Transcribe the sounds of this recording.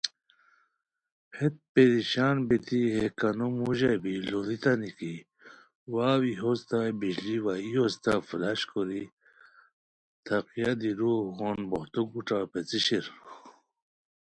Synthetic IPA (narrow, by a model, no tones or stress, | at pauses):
het̪̚ped̪iɕaːnbit̪iɦekanumuʑebilolit̪aniki | waːwiɦozt̪abiʑliwaiost̪afulaɕkoɾi | t̪ʰaqijad̪iɾuɦonboht̪uɡuʈapet͡siɕiɾ